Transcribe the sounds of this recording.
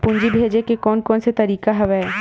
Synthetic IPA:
pʊ̃ɲd͡ʒibʱeːd͡ʒekekɔːnkɔːnset̪ɐɾiːkaɦɐʋɛ

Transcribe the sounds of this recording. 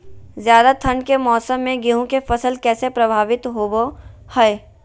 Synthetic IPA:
zjaːd̪at̪ʰɐɳɖkemɔːsəmːẽɡiɦõkefɐsəlkɛːsepɾɐbʱaːʋɪt̪ɦoːbohɛː

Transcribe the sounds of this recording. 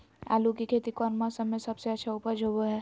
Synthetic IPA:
a̰ːlukikʰeːt̪ikɔːɾmasəmesɐbseɐtːʃʰaupəd͡ʒʱoːbəɦɛː

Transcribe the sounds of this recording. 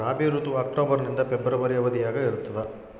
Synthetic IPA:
aːbiːɾut̪uaːk̚ʈoːbɐɾnind̪ɐpɛbːɾɐʋɐɾijɐʋɐd̪ijaːɡɐiɾut̪ːɐd̪e

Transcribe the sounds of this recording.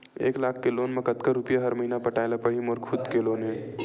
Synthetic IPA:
ḛːklaːkʰkeloːnmɐkət̪kaɾːʊpijaɦɐɾmɐɦiːnapɐʈaːelapɐɽ̤imoːɾkʰʊd̪keloːnɦɛ̃ː

